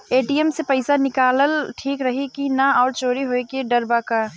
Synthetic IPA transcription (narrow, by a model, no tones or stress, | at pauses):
eːʈiɛmsepɐɪsanɪkaːləlʈʰiːkɾɐɦikinaɔːɾt͡ʃoːɾiɦoekeɖɐɾbaka